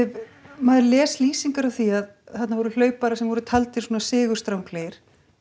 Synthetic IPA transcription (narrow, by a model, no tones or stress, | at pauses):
ɛmaːðlɛːsliːsiŋkaɾawθiað | θat̪navɔɾʏl̥œːɥpaɾasɛmvɔɾʏt̪ʰalt̪ɪ̥soːnasɪːɣʏɾ̥st̪ɾawmpʰleːjɾ̥